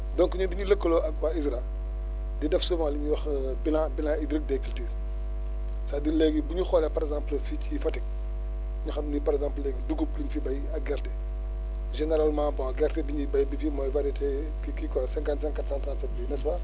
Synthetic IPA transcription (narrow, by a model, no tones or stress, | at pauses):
dɔŋkuɲudiɲilɐkːəloʔɐkwaisɾa | didɛfsumaliɲuwɐx | bilãbilãidɾik̚dɛkilte | saːdilɛɡibuɲuxɔːlɛpɐɾɛɡzãmplficifɐtik̚ | ɲuxɐnunipɐɾɛɡzãːmplːɛɡiduɡupluɲifibɐjɐɡɛɾtɛ | ʒɛnɛɾalmãːbɔɐɡɛrtɛdiɲibɐjbifimɔːvaɾitɛ | kikikɔsɛ̃ŋkantsɛ̃ŋkːatsãntɾaːntsɛtbinɛsbɐ